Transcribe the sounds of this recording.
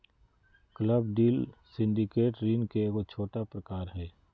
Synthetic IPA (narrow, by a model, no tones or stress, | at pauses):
kləbɖiːlsɪ̃nɖɪkeːʈɾiːnkekot͡ʃʰoːʈapɾəkaːɾɦɛː